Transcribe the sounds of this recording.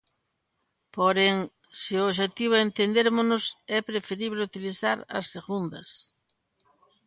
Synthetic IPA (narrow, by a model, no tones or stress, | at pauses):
poɾeŋ | sɪooʃ̬et̪iβ̞ʊent̪end̪eɾmonʊsɛpɾefeɾiβleut̪iliθaɾɐ̰sːeɣund̪ɐs